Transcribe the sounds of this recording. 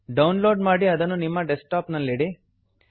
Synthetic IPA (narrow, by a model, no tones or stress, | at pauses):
ɖɐwnloːɖmaːɽiɐd̪ɐnːunimːɐɖesʈaːpnɐlːeːɽi